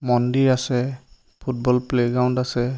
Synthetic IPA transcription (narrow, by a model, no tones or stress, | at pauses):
mɔndiɹasɛ | pʰut̚bɔlpleɡɹawndasɛ